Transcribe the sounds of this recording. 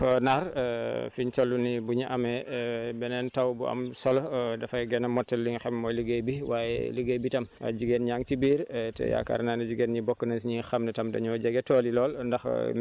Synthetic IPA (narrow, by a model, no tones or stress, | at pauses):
fɔnaɾfiɲtɔlːunibuɲiʔɐmɛbɛnɛntɐwbuɐ̰msɔlɔdɐfɐjɡɛnɐmɔtːɛlːiŋxɛmmɔjləɡəjbiwaːjɛ̰ləɡəjbitɐma̰ɟuɡenɲaŋtibiːɾtɛ̰ja̰ka̰ɾnanɐd͡ʒuɡenɲibɔkːənɐsɲiŋxɐmnɛtɐmdɐ̰ɲɔɟɐɡɛtɔːlilɔːlndɐx